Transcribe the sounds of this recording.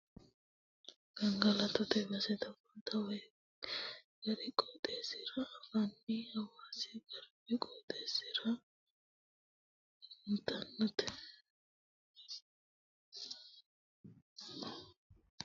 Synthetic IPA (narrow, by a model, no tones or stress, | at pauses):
ɡ̥ɐŋɡɐlɐt̪ʊt̪ɛbɐsɛt̪ɐbɐːt̪ɐwɛj | ɡɐɾɪkʼoːt̪ʼesɪɾɐːfɐnːihɐwaːsɪɡɐɾbɪkʼoːt̪ʼeːsɪɾɐ | mʊt̪ʼɐnːʊt̪ɛ̥